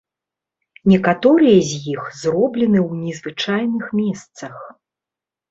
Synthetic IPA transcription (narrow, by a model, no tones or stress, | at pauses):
nʲɛkat̪ɔɾɨjɐzʲjixzrɔblʲɛnɨwnʲɛzvɨt͡ʂajnɨxmʲɛst̪sɐx